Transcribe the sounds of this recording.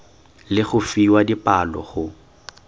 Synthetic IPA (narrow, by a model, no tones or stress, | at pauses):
lɪχʊfiwadipʼalɔ̰χʊ